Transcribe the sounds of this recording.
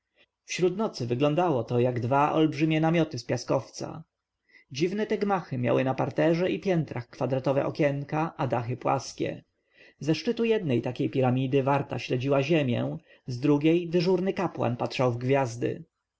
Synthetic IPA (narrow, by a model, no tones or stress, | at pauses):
fɕɾut̪nɔt̪sɘvɘɡlɔ̃nd̪awɔt̪ɔjaɡd̪vaʔɔ̰lbʐɘmʲjɛnamʲjɔt̪ɘspʲjaskɔft̪sa̰ | d͡ʑivnɛt̪ɛɡmaxɘmja̰wɘnapaɾt̪ɛʐɛʔipʲjɛnt̪ɾaxkfad̪ɾat̪ɔvɛ̰ʔɔkʲɛŋkaʔad̪axɘpwa̰skʲɛ̰ | zɛʂt͡ʂɘt̪ujɛd̪̚nɛjt̪akʲejpʲiɾamʲid̪ɘvaɾt̪a̰ɕlɛd͡ʑiwaʑemʲjɛ̰̃ | zd̪ɾuɡʲejd̪ɘʐuɾnɘkapwa̰npatʂawvɡvʲjazd̪ɘ̰